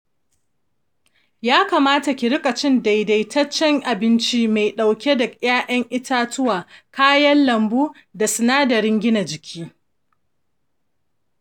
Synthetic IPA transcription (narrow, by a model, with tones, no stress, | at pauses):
jaː˦kaː˨maː˦ta˨kʲɪ˨ɾɪ˦kʼa˨t͡ʃɪ˦nda˨jda˨jtʰɐ˦t͡ʃːɛ˦ŋʔa˨bɪ˦nt͡ʃi˦ma˨jɗa˨wkʲe˦dɐ˨j̰aː˦ʔɐ˦ŋʔɪ˦taː˦tʊ˦waː˨kaː˦jɐ˦nlɐ˨mbuː˦ | da˨sʊ˨naː˦dɐ˨ɽɪ˦ŋɡʲɪ˦na˨d͡ʒɪ˨kʲʰiː˦